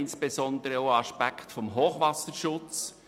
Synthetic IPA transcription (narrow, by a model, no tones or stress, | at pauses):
ɪnsb̥ezɔnd̪əɾəoʊɑʃpækχtfɔmɦoːχʋɑsəɾʃʊt͡s